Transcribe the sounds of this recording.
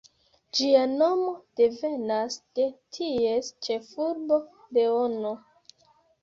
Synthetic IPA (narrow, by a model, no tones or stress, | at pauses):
d͡ʒiano̞mo̞d̥e̞ve̞nasd̥e̞tʰiest͡ʃe̞fuɾbo̞ | de̞ono